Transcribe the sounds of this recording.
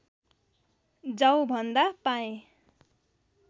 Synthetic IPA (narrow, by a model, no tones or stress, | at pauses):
d͡zʌwbʱʌnd̪apaẽ